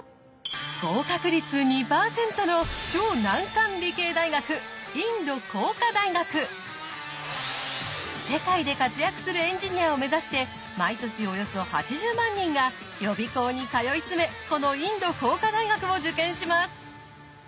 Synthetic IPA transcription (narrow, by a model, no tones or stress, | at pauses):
ɡ̥o̞ːkakɯ̟ɾʲit͡sɨɲ̟ipaːsẽ̞nt̪o̞no̞t͡ɕo̞ːnãŋkãnɾʲike̞ːd̪aiɡakɯ̟ | ĩnd̪o̞ko̞ːkad̪aiɡakɯ̟ | se̞kaid̪e̞kat͡sɨjakɯ̟̥sɨɾɯ̟ẽ̞ɲ̟d͡ʑiɲ̟iaome̞zaɕi̥t̪e̞ | mait̪o̞ɕio̞jo̞so̞ha̰t͡ɕiʑɨːmãɲ̟ːĩŋɡajo̞bʲiko̞ːɲ̟ikajo̞it͡sɨme̞ko̞no̞ĩnd̪o̞ko̞ːkad̪aiɡakɯ̟mo̞d͡ʑɨkẽ̞ɰ̃ɕimasɨ̥